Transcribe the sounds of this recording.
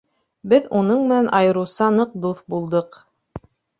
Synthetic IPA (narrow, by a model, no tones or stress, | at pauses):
bɘðunɤɴmɘ̆nænʔɑjɤ̆ɾɤ̆wsɑnɤq̚d̪uθbulˠd̪ɤq